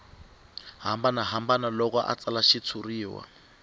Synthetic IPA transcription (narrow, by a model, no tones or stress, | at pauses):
ɦambanaɦambanalɔkɔʔa̰t͡salaʃit͡sʰuriːwa̰